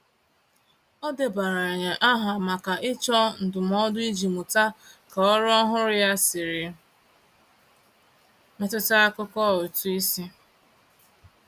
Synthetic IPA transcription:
ɔ˦dɪ˨ba˨ɾa˨e˨ɲe˨ʔa˦ɦa˨ma˨ka˨ʔɪ˦t͡ʃɔ˦n̩˨dʊ˨m˦ɔ˦dʊ˦i˦d͡ʒi˨mʊ˨ta˦ka˨ɔ˦ɾɔ˦ɦʊ˦ɾɪ˦ja˦sɪ˨ɾɪ˨ | me˨tʊ˦ta˦a˦kʊ˦kɔ˦˨ʊ˨tu˦i˦si˦

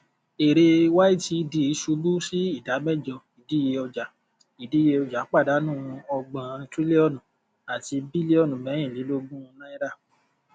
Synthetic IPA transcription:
e˨ɾe˧wa˦i˦ti˧di˧i˨˧˦ʃu˧bu˦si˦i˦˨da˨˦mɛ˦˨d͡ʒɔ˧i˨di˨˦je˧ɔ˧d͡ʒa˨ | i˨di˨˦je˧ɔ˧d͡ʒa˨˦k͡pa˦˨da˨˦nũ˦˨˧ɔ˧ɡ͡bã˧tɾi˦le˦ɔ˦˨nũ˨ | a˨ti˧bi˦le˦ɔ˦˨nũ˨mɛ̃˨˦ĩ˦˨li˨˦lo˦ɡũ˦˧nã˦i˦ɾa˦˨

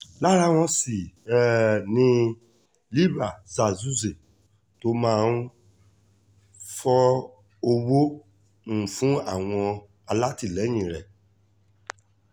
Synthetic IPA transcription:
la˦ɾa˦w̃ɔ̃˧si˨ | nĩ˧ | li˦ba˨za˨zu˦ze˨ | to˦mãː˦n˦ | fɔ˦ | o˧wõ˦˨ | fũ˦a˦˨w̃ɔ̃˧ | a˧la˦ti˦˨lɛ˨˦j̃ĩ˨ɾɛ̰˨

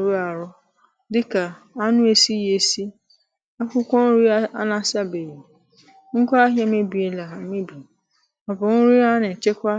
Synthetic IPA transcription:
ɾu˦a˨ɾʊ˦ | dɪ˦ka˨ | a˦nʊ̃˦e˨si˦je˨si˦ | a˦kʊ˦kʷɔ̃˦ɾi˦a˦a̰˦nã˨˦sa˦be˨ji˨ | ŋ̩˦kʷa˦a˦ɦjɛ˦me˦bi˨e˨la˨mẽ˦bi˨ | ɔ˨bɔ˨ŋʊ̃˦ɾi˦a˦nɪ̃˨t͡ʃɪ˦kʷa˦

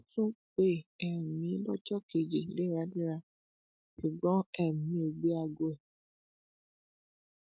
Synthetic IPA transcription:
tũ˦k͡pe˦ɛ˨mĩ˨˦lɔ˦t͡ʃɔ˦ke˨d͡ʒe˨le˦ɾa˨˦di˦ɾa˧ | ki˨ɡ͡bɔ̃˦ɛ˦˨mĩ˧˦o˨ɡ͡be˦a˧ɡo˧ɛ˨

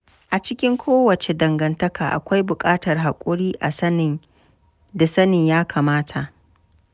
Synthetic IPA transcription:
ʔa˨t͡ʃɪ˦kʲɪ˦ŋkʷoː˦wɐ˨t͡ʃe˨dɐ˨ŋɡɐ˨ntɐ˦kʰaː˨ʔa̰˨kʷa˦jbʊ˨kʼaː˦tɐ˨rɦa˨kʷʼʊ˦ɽiː˦ʔa̰˨sɐ˦nɪ˨ŋ | da˨sɐ˦nɪ˨ɲjaː˦kʰaː˨maː˦tʰa˨ʔ

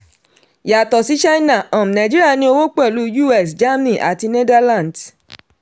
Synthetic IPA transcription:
ja˨tɔ˨si˨˦t͡ʃa˦na˦˨ɔ̃˨m̩̃˨nã˨d͡ʒi˦ɾi˦a˦˨nĩ˧˦o˧wo˦k͡pɛ˦˨lu˨˦ju˦˨ɛ˦˨sd͡ʒa˦m˦nĩ˦˨ʔa̰˨ti˧ne˦da˦lã˦˨d

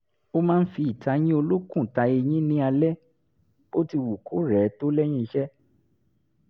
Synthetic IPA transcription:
o˦mãː˦n̩˦fi˧i˨ta˧˦j̃ĩ˦o˧lo˦kũ˦˨ta˧e˧j̃ĩ˦nĩ˦a˧lɛ˦ | o˦ti˧wu˨ku˨˦ɾɛ˨˦to˦lɛ˦j̃ĩ˦˧ʃɛ˦

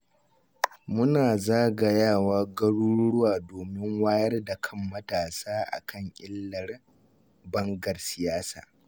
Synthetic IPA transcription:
mʊ˦naː˨zaː˦ɡa˨jaː˦˨waː˦ɡɐ˦ɽuː˦ɽʊ˦waː˨doː˨mɪ˦ŋwaː˦jɐ˦rda˨kʰɐ˦mːɐ˦taː˨saː˦ʔa̰˨kɐ˦˨ɲʔʲʼɪ˦lːɐ˨r | bɐ˦ŋɡɐ˨rsɪ˨jaː˦sa̰ː˨

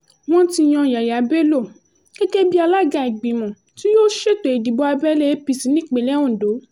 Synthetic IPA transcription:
w̃ɔ̃˦ti˧˨j̃ɔ̃˧˨ja˨ja˨˦be˦lo˦˨ | kɛ˦ɡe˦bi˦a˧la˦ɡã˧˨i˨ɡ͡bĩ˨mɔ̃˨ | ti˦joː˦ʃe˦˨to˨i˨di˨bɔ˧a˧bɛ˦le˦pi˧si˨˦nĩ˦˨k͡pe˨lɛ˦ɔ̃˦˨do˨˦

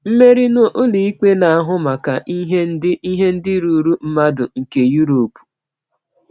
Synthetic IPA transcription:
m̩˦me˦ɾi˦no˦ʔo˦li˨i˦ke˦na˨a˦ɦʊ˦ma˨ka˨ʔi˦ɦe˦n̩˦dɪ˦i˦ɦe˦n̩˦dɪ˦ɾu˨ɾu˦m̩˦ma˦dʊ˨ŋ̩˨ke˨ju˦ɾo˨pu̥˨

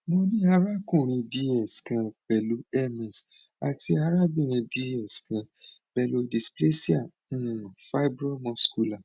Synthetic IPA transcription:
mõ˧nĩ˦a˧ɾa˦kũ˦˨ɾ̃ĩ˧di˦ɛ˨skã˧b̥ɛ˨lu˨˦ɛ˦mɛ˨s | a̰˨ti˧a˧ɾa˦bi˦˨ɾ̃ĩ˧di˧˦ɛ˦˨skã˧ | bɛ˧˨lo˧di˨sple˦si˦ã˦˨˦fa˦bɾɔ˦mɔ̃˧sku˧˦la˨

